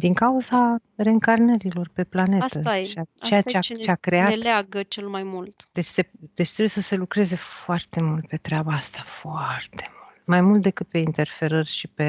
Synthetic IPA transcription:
d̪iŋkauza | re̞ɨŋkarnəɾilo̞rpe̞plane̞st̪əʃat͡ʃejat͡ʃeat͡ʃeakɾe̞aleaɡət͡ʃelmajmult̪d̪̥et͡ʃʲse̞d̪̥et͡ʃt̪ɾebujesəse̞lukɾe̞ze̞foart̪e̞mult̪̚pe̞t̪ɾeabaast̪afoart̪e̞̥mullt̪majmult̪d̪e̞kɨt̪̚pe̞int̪e̞rfe̞ɾərʲʃipe̞

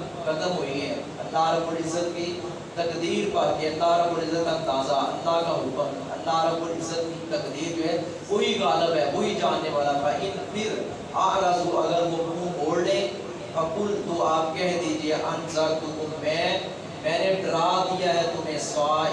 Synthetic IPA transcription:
kɐd̪əmɦoːiɡɛ̃ː | ɐ̰lːaːɾɐbʊlɪzət̪̚ki | t̪ɐkd̪iːɾpat̪iɐlːaːɾɐbʊlɪzət̪ãnd̪aːzaɐ̰lːaːkaːɦʊkəm | ɐ̰lːaːɾɐbulɪzət̪kit̪ɐkd̪iːɾd͡ʒoːɦɛː | oːɦikaːləbɦɛːʋoːɦid͡ʒaːnːeːʋaːlapaʔɪnpʰɪɾ | aːɾaːzuɐɡəɾʋomũːboːɽlẽː | ɐkʊlt̪oːaːp̚kɛɦɛ̃d̪iːd͡ʒieʔɐnzakt̪otomɛ̃ː | mɛ̃ːneɖɪɾaːd̪ɪjaːɦɛːt̪omẽːsʋaː

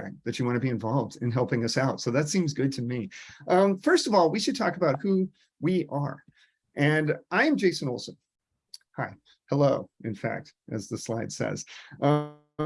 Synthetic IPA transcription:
ɪ̰̃ŋðɨt͡ʃɨwɑ̃nɨbiɨ̃ɱvɑlˠvdɨ̃nɦɛlˠpɪ̃ŋʌsaʊtsoʊðɨtsĩmzɡʊd̚tʰɨmiʔʌ̃mfɜ˞stʌvɔlˠwiʃɨd̚tʰɔkəbaʊt̚hu | wiʔə˞ | ʔɨ̃nãɪɨ̃md͡ʒeɪsɨ̃nolˠsə̃n | haɪ | həloʊɨ̃nfæ̰k̚t̚ʔɨ̰zðɨslaɪd̥sɛ̰z̥ʔʌ

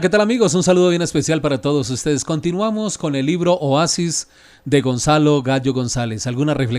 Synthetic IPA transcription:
ket̪alamiɣo̞s̬unsaluð̞o̞βje̞ne̞spe̞sjalpaɾat̪o̞ðos̬ust̪e̞ðesko̞nt̪inwamo̞sko̞ne̞lːiβɾo̞ʔoasiz | d̪e̞ɣo̞nsalo̞ɣaʝo̞ɣo̞nsalesalɣunarefle

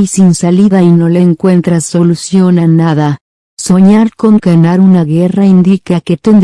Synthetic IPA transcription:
isinsaliðaino̞le̞ːŋkwe̞nt̪ɾasːo̞lusjo̞nanaða | so̞ɲaɾko̞ŋkanaɾunaɣe̞raind̪ikake̞t̪end̪

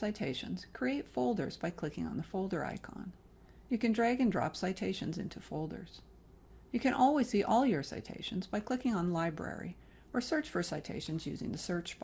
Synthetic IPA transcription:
saɪtʰeɪʃɨ̰̃nz̥kʰɹ̥ieɪtfoʊlˠdə̰˞zbaɪkʰl̥ɪkɪ̃ŋə̰̃nðəfoʊlˠdə˞a̰ɪkʰɑ̰̃n | jɨkɨ̃ndɹæɡɨ̃ndɹɑ̰psaɪtʰeɪʃɨ̃nzɪ̰̃ntʰʉfoʊlˠdə̰˞z̥ | jɨkʰɨ̃nʔɔlˠwiz̥siʔɔlˠjə˞sa̰ɪtʰḛɪʃɨ̃nzbaɪkʰl̥ɪkɪ̃ŋə̃nəlaɪbɹɛ̰ɹḭ | ə˞sɜ˞t͡ʃfə˞saɪtʰḛɪʃɨ̃nzjʉ̰zɪ̰̃ŋðɨsɜ˞t͡ʃb

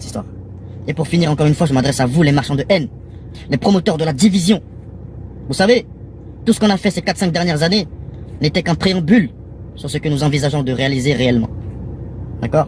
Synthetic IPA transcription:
t̪i̥st̪wa̰ʁ | epuʁfiniʁɑ̃kɔʁynfwaʒəmad̪ʁɛsavulemaʁʃɑ̃d̪əʔɛn | lepχɔmɔt̪œʁd̪əlad̪ivizjɔ̃ | vusave | t̪usə̥kɔ̃nafɛsekat̪sɛ̃k̚d̪ɛʁnjɛʁzanenet̪ɛkɛ̃pχeɑ̃byl | syʁsəkənuzɑ̃vizaʒɔ̃d̪əʁealizeʁeɛlmɑ̰̃ | d̪̥akɔːʁ

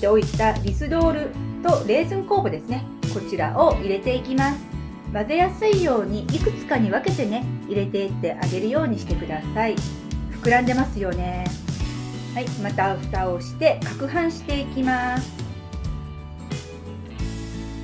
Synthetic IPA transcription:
eo̞it̪aɾʲisɨd̪o̞ːɾɯ̟t̪o̞ɾe̞ːzɨ̃ŋko̞ːbo̞d̪e̞sɨne̞ko̞t͡ɕiɾa̰ʔo̞ʔiɾe̞t̪e̞ikʲimasɨ̥ | maze̞jasɨijo̞ːɲ̟iʔikɯ̟̥t͡sɨ̥kaɲ̟iβake̞t̪e̞ne̞iɾe̞t̪e̞it̪ːe̞ʔaɡe̞ɾɯ̟jo̞ːɲ̟iɕi̥t̪e̞kɯ̟d̪asai | ɸɯ̟̥kɯ̟ɾãnd̪e̞masɨjo̞ne̞ | haimat̪aɸɯ̥t̪ao̞ɕi̥t̪e̞kakɯ̟ɦãɰ̃ɕi̥t̪e̞ikʲimasɨ̥

